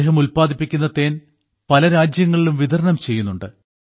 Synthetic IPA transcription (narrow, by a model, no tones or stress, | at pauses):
eːɦɐmulpaːd̪ipːikʲːunːɐt̪ːe̞ːn | pɐlɐɾaːd͡ʑjɐŋːɐɭilumʋid̪ʱɐɾnɐmt͡ɕe̞jːunːuɳɖɨ